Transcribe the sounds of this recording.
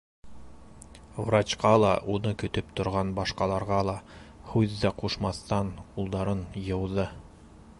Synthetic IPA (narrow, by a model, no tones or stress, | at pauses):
vrat͡ɕqɑlˠɑ̰ʔunɤkɵ̆t̪ɵpt̪ŏɾʁɑnbɑʃqɑlˠɑɾʁɑlˠɑhʉðːæquʃmɑθt̪ɑnulˠd̪ɑɾɤnjɤ̆wðɤ